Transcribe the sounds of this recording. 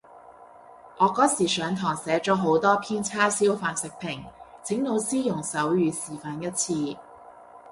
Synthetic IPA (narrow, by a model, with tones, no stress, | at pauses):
ʔɔː˨˧kɔː˨˥siː˨˩sœː˨˧ŋt̪ʰɔː˨˩ŋsɛː˨˥t͡ʃɔː˨˥ɦo˨˥wt̪ɔː˥pʰiː˥nt͡sʰaː˥siː˥wfaː˧nsɪ˨k̚pʰɪ˨˩ŋt͡sʰɪ˨˥ŋno˨˧wsiː˥jʊ˨˩ŋsɐ˨˥wjyː˨˧siː˨˩faː˨njɐ˥t̚t͡sʰiː˧